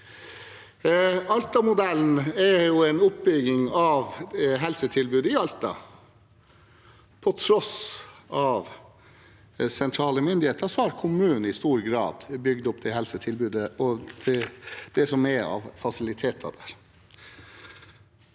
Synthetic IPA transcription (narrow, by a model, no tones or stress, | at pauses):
ɑlt̪ɑmʊd̪ɛln̩ɛjʊɛɪnʊp̚bʏɡɪŋɑʋɦɛlsət̪ʰɪlbʉːd̪əɪɑlt̪ɑ̰ | pʰɔt̪ʰɾɔsʔɑʋ | sɛnt̪ʰɾɑːləmʏnd̪ɪheːt̪əʂɔhɑɾkʰʊmʉːn̩ɪst̪uːɾɡɾɑ̰ːd̪bʏɡd̪ʊpd̪ɛɦɛlsət̪ʰɪlbʉːd̪əɔd̪̥ɛd̪̥ɛsɔmɛɑ̰ʋfɑsɪlɪt̪ʰeːt̪ʰɑ̰d̪æːɾ